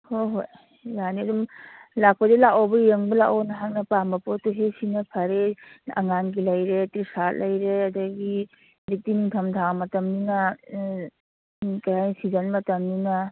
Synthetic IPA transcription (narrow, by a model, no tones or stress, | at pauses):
hoɦoj | janiɐdumlak̚pɐdelakobɐjeŋbɐlaʔonɐɦaŋnɐpambɐpotuɦesinɐpʰɐɾeɐ̰ŋanɡilɐjɾetɾisat̚lɐjɾeɐdɐɡi | bik̚tiniŋtʰɐmtʰamɐtɐmninɐ | kajajnsizɐnmɐtɐmninɐ